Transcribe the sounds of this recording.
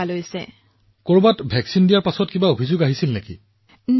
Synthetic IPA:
alojsɛ̰ | koɹbatbʱɛksindijaɹpasɔtkibaobʱizʊɡaɦisilnekḭ | n

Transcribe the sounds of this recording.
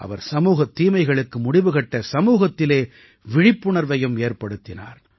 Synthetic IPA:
ʔɐ̰ʋɐɾsɐmuːɣɐt̪ːiːmɐɪɣɐɭɯkːɯmʊɽɪʋɯɣɐʈːɐsɐmuːɣɐt̪ːɪleː | ʋɪɻɪpːʊɳɐɾʋɐjɯmeːɾpɐɽɯt̪ːɪna̰ːɾ

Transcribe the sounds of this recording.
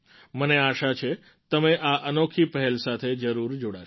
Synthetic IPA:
məneaʃat͡ʃʰe | t̪əmeʔaʔənokʰipəɦɛlsat̪ʰed͡ʒəɾuɾd͡ʒoɽa

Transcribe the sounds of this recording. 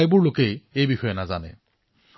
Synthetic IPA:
jbʊɹlokejejbixɔjɛnazanɛ̰

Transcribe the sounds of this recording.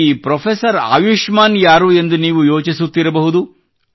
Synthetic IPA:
ipɾɔpʰesɐɾa̰ːjuʂmaːnjaːɾuːe̞nd̪uniːʋujoːt͡ʃisut̪ːiɾɐbɐɦud̪u

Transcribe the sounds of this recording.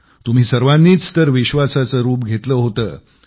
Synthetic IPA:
t̪um̤iːsəɾʋanːiːt͡st̪əɾʋiɕʋasat͡səɾuːp̚ɡʱet̪ləːɦot̪əː

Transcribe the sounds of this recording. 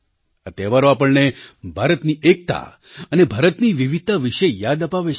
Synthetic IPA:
ə̰t̪eʋaɾoapəɭnebʱaɾət̪niʔek̚t̪a̰ | ənebʱaɾət̪niʋiʋid̪̚t̪aʋiʃejad̪əpaʋe

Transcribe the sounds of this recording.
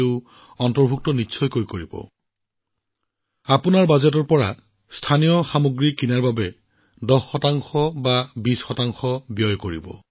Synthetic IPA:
eʊ | ɔntɔɹbʱuk̚tɔnitːsʰɔjkojkoɹibɔ̰ | apunaɹbazɛt̬ɔɹpɔɹa̰ | stʰanijɔxamoɡɹikinaɹbabɛ | dɔsxɔtaŋxɔbabisxɔtaŋxɔbjɔjkoɹḭbɔ̰

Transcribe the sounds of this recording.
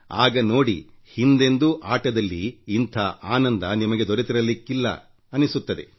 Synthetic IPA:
aːɡɐno̞ːɽḭ | hind̪e̞nd̪uʔaːʈɐd̪ɐlːḭːnt̪ʰaːʔaːnɐnd̪ɐnimɐɡe̞d̪ɔɾet̪iɾɐlikːilːɐ̰ | ɐnisut̪ːɐd̪e̞̰

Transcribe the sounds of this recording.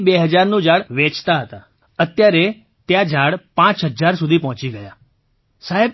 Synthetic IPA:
beɦəd͡ʒaɾnũd͡ʒãɽʋet͡ʃt̪aɦət̪a | ət̪jaɾe | t̪jad͡ʒãɽpãt͡ʃɦəd͡ʒaɾsud̪ʱipɔɦt͡ʃiɡəja | saɦe

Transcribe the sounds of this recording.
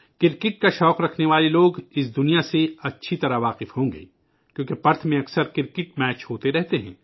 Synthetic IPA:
kɪɾkɪʈ̚kaʃɔːqɾɐkʰneʋaːleloːɡɪs̬d̪ʊnijaseɐtːʃʰit̪ɐɾaʋaːqɪfɦõːŋɡḛː | kjõːkepɐɾt̪ʰmẽɐksəɾkɪɾkɪʈmɛːt͡ʃɦoːt̪eɾɛɦt̪eɦɛ̃ː

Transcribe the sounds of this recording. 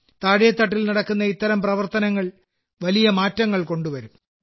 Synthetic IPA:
t̪aːɽejɐt̪ːɐʈːilnɐɽɐkːunːɐit̪ːɐɾɐmprɐʋɐrt̪ɐnɐŋːɐɭ | ʋɐlijɐmaːtːɐŋːɐɭko̞ɳɖuʋɐɾum

